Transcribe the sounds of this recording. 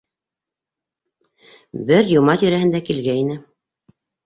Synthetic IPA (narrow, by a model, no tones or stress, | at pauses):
bɘɾjŏmɑt̪iɾæhɘ̆nd̪ækilɡæinɘ